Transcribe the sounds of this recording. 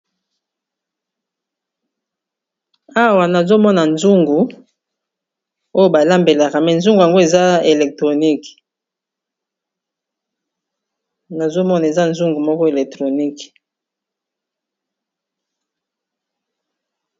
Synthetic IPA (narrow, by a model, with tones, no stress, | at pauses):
a˦wa˨na˨zo˦mɔ˦na˨nzu˦ŋɡu˨ | o˦jo˦˨ba˨la˦mbe˨la˨ka˨mɛ˨nzu˦ŋɡu˨ja˨ŋɡo˦e˨za˦e˨lɛ˨k̚tʁo˨ni˦k | na˨zo˦mɔ˦na˨e˨za˦nzu˦ŋɡu˨mɔ˦kɔ˦e˨lɛ˨k̚tʁo˨ni˦k